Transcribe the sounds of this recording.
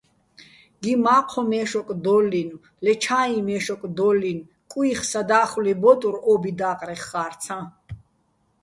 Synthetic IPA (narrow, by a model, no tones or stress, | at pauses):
ɡ̥imaːqʰɔmɛːʃɔkʼd̪ɔlːin | lɛt͡ʃʰaimɛʃɔkʼd̪ɔlːin | kʼwiχsad̪aːχwlɛbɔt̪ʼuɾɔːbid̪aːqʼɾɛχːaːɾsʰã